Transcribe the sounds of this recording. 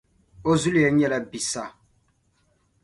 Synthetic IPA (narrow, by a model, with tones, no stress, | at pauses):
o˦zu˦li˦˨ɛ˦ɲɛ˦˨lɛ˦bi˨sa˦˨